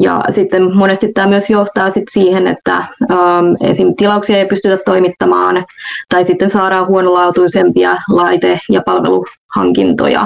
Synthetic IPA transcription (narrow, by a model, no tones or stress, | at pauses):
jɑ̰sit̪ːemmonest̪it̪t̪æːmyøsjoht̪ɑːsit̪siːhenḛt̪ːæ̰øːmḛsint̪ilɑuksiɑeipyst̪yt̪æt̪toimit̪ːɑmɑːnt̪ɑisit̪ːensɑːɾɑːhuonolɑut̪uisempiɑlɑit̪ejɑpɑlʋḛluhɑ̰ŋkḭnt̪o̰jɑ̰